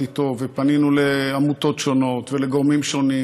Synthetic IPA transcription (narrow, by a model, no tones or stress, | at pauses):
it̪o̞vepaninuleamut̪o̞tʃo̞no̞t̪veleɡoʁmimʃo̞ni